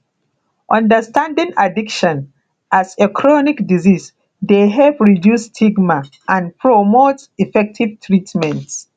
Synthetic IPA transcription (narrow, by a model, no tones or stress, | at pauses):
ʔɔ̃ndəstʰãndĩŋadikʃɔ̃n | ʔasekʰɹɔnikdizis | deɦɛvɹidjustʰiɡma | ʔãnpʰɹɔmotifɛk̚tʰivtʰɹitmɛ̃nt